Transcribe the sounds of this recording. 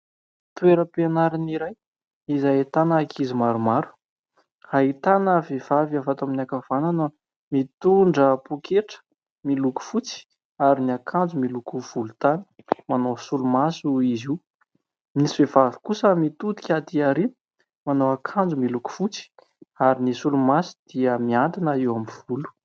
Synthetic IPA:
t̪ueɾəpenaɾiniɾaj | izaet̪anaakʰizimaɾumaɾu̥ | ait̪anəvev̥avavat̪aminakav̥ananə | mit̪uɳɖ͡ʐəpukʰeʈ͡ʂə̥ | miluku̥fut͡si̥ | aɾiniakʰand͡zumilukuv̥ulut̪ani̥manosulumasuiziw | mnisivevavi̥kusəmit̪ut̪i̥kʲad̪iaɾi | manowakʰãnd͡zumiluku̥fut͡si̥ | aɾinisulumasi̥d̪̥iəmiant̪inaiwamiv̥ulu̥

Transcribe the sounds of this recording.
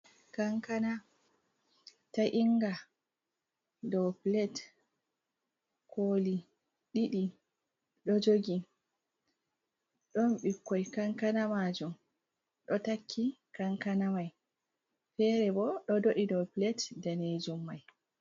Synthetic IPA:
kaŋkana | taʔiŋɡa | dɔplɛt | kʰoːli | ɗiɗi | ɗɔd͡ʒoɡi | ɗɔmɓikːɔjkaŋkanamad͡ʒum | ɗɔtakʰːikaŋkanamaj | fɛɾɛbɔɗɔdoɗidɔpilɛtdaned͡ʒumːaj

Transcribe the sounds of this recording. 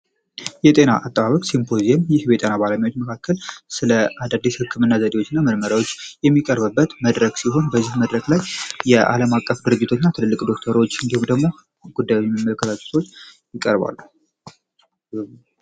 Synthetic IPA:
jɛt̪ʼe̞na̰ʔat̪ʼːəβaβəkʼsimpʰo̞zijɛmjɪhbet̪ʼenabaləmijot̪məkʰakːəlsɨləʔad̪ad̪ːishɨkʰːɨmɨnːazəd̪ewot͡ʃːɪɨnːaməɾməɾawo̞t͡ʃːjɛmːikʼəɾβɨbːət̪məd̪ɾəɡsiɦo̞nbəzːihməd̪ɾəɡlajjɛʔa̰ləmakʼːəfd̪ɨɾɨd͡ʒːɪt̪ʰonːat̪ʰɨlɨlːɨkʼd̪o̞kt̪ʰəɾot͡ʃːɨnd̪ihumd̪əɡmo̞ | ɡud̪ːajomːəmːələkʰːət̪ʰat͡ʃʼːɛ̥t̪ʰo̞t͡ʃː | jɪkʼəɾba̰lːu

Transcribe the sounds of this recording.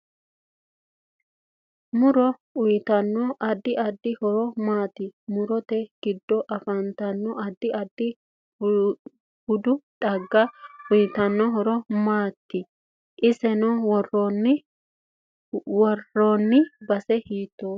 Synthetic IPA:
mʊɾɔʊjt̪ɐnːɔʔɐd̪ːɪʔɐd̪ːɪhɔɾɔmaːt̪ɪmʊɾɔt̪ɛɡ̥ɪd̪ːɔʔɐfɐnt̪ɐnːɔʔɐd̪ːɪʔɐd̪ːɪ | hʊd̪ʊt̪ʼɐɡːɐʊjt̪ɐnːɔɦɔɾɔmaːt̪ːɪ | ʔɪsɛnɔwɔrɔn | wɔrɔnːɪbɐsɛhiːt̪ːoː

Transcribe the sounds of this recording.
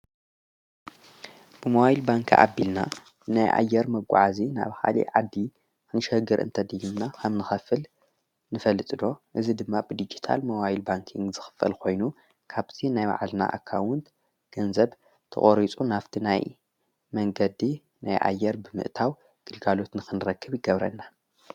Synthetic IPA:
b̥ɨmɐwajilbaŋkʰiʔa̰bːilna | najʔa̰jːɛɾmɐɡʷṵʕazina̰βxa̰lḭʕad̪ːi | kɨnɨʃɐɡɨɾʔɨ̰nt̪ʰɐd̪ɨjumnakʰɐβnɨxɐfɨl | nɨfɐlɨt̪ʼɨd̪o̞ʔɨzid̪ɨmːab̥ɨd̪id͡ʒit̪ʰa̰lmɐwajilbaŋkʰiŋɡzɨxɨ̥fɐ̰lkʰo̞jnu | kʰaβt̪ʰinajba̰ʕalna̰ʔa̰kʰːawʊnt̪ | ɡ̥ɐnzɐβ | t̪ʰɐ̰χʼoɾit͡sʼunaft̪ʰinaj | mɐŋɡɐd̪i | najʔa̰jːɛɾbɨmɨ̰ʔt̪ʰaw | ɡ̥ɨlɡalo̞t̪nɨxɨnɾɐkʰːɨβjɪɡɐβɾɐ̰nːa

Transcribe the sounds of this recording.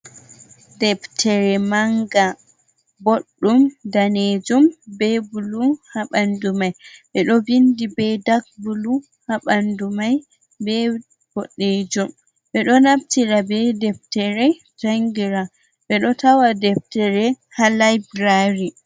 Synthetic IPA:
dɛptʰɛɾɛmaŋɡa | boɗːumdaned͡ʒumbɛbuluhaɓandumajɓɛɗɔbindibɛdak̚bulu | haɓandumaj | bɛ | b̥ɔɗːed͡ʒum | ɓɛɗɔnabtiɾabɛdɛftɛɾɛ | taŋɡiɾa | ɓɛɗɔtawadɛf̚tɛɾɛ | halajbɾaɾi

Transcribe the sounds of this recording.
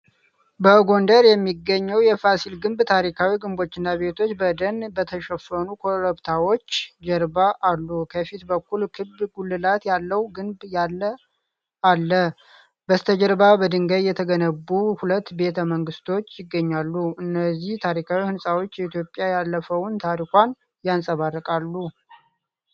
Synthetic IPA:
bəɡo̞nd̪əɾjɛmːiɡːəɲːəwjɛfasilɡɨmbt̪ʰaɾikʰawiɡɨmbo̞t͡ʃːɪnːaβe̞t̪ʰo̞t͡ʃːbəd̪ənbət̪ʰəʃəfənukʰoɾəbt̪ʰawo̞t͡ʃːd͡ʒəɾbaʔalːukʰəfit̪bəkːulkʰɨbɡulːɨlat̪jalːəwɡɨmbjalːə | alːə | bəst̪ʰəd͡ʒəɾbabəd̪ɨŋɡəjjɛt̪ʰəɡənəbːuhulət̪ːbe̞t̪ʰəməŋɡɨst̪ʰo̞t͡ʃːjɪɡːəɲːalːuɨnːəzːiht̪ʰaɾikʰawihɨnsʼawo̞t͡ʃːjɛit̪ʰjo̞pʼjajalːəfəwnt̪ʰaɾikʷan | jansʼəβarːəkʼalːu

